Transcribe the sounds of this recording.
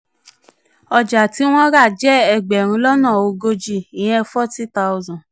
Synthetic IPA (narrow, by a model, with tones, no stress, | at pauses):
ɔ˧d͡ʒa˨ti˨˦w̃ɔ̃˦ɾa˦˨d͡ʒɛ˦ɛ˧˨ɡ͡bɛ˨ɾ̃ũ˧lɔ˦nãː˦˨o˧ɡo˧d͡ʒi˦˨i˨j̃ɛ̃˧fɔ˦ti˦ta˧u˧zã˨